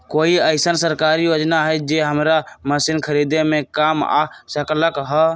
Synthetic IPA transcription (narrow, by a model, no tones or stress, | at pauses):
koiəɪsənsəɾkaɾijod͡ʒnaɦəd͡ʒeɦəmɾaməsinkʰəɾid̪emekama̰səkləkɦə